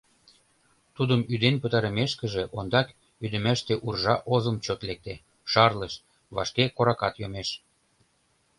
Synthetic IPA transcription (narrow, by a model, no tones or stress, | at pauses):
t̪ud̪əmyd̪enpət̪ɑɾəmeʃkə̆ʒeʔond̪ɑk | yd̪ə̆mæʃt̪eʔurʒɑʔozəmt͡ɕot̪lek̚t̪e | ʃɑrləʃ | βɑ̰ʃkekoɾɑkɑt̪jomeʃ